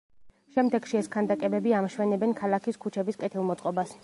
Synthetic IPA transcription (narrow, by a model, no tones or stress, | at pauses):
ʃɛmd̪ɛɡ̥ʃiɛskʰand̪akʼɛbɛbiamʃwɛnɛbɛnkʰalˠakʰiskʰut͡ʃʰɛbiskʼɛt̪ʰilˠmɔt̪sʼqʼɔbas